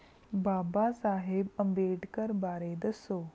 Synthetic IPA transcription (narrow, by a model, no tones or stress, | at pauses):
baːbasaːɦebəmbeʈkəɾbaːɾed̪əsoː